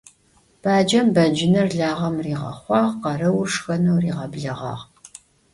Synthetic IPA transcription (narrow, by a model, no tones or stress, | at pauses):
b̥aːd͡ʒɐmbɐd͡ʒɪnɐrɮaːʁɐmriːʁɐ̰χʷɑːʁqɐrɐwʊrʂxɐnɐwriːʁɐbɮɐʁɑ̰ːʁ